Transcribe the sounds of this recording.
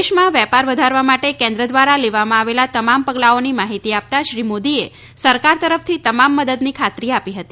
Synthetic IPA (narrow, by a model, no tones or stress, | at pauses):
ʃmãʋjɛpaɾʋəd̪ʱaɾʋamaʈekɛ̃nd̪ɾəd̪ʋaɾaleʋamãaʋelat̪əmampəɡlaonimaɦit̪iap̚t̪aʃɾimod̪ie | səɾkaɾt̪əɾəft̪ʰit̪əmamːəd̪əd̪nikʰat̪ɾiapiɦət̪i